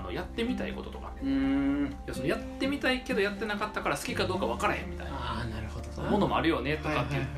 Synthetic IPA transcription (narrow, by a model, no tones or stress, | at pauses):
no̰jat̪ːe̞mʲit̪aḭko̞t̪o̞t̪okḁ̰ɯ̃ːjasonojat̪ːe̞mʲit̪aike̞d̪o̞jat̪ːe̞nakat̪ːakaɾasɨ̥kʲikad̪o̞ːkaβ̞akaɾahẽ̞mːʲit̪a̰ḭanaɾɯod̪mo̞no̞mo̞aɾɯ̟jo̞ne̞t̪o̞kat̪ːejɯ